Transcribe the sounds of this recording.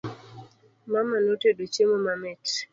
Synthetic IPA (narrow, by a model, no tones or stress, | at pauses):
mamanotedot͡ʃemomamɛt